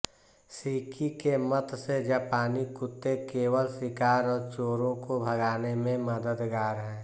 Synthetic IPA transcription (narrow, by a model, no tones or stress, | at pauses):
siːkʰikemət̪sed͡ʒəpaːnikʊt̪ːekeːwəlsɪkaːɾɔːɾt͡ʃoːɾõkobʱɐɡaːnemẽmɐd̪əd̪ɡaːɾɦɛ̃ː